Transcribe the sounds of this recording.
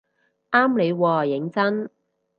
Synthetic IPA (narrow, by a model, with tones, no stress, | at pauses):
ʔaː˥mle˨˧jwɔː˧jɪ˨˥ŋt͡sɐ˥n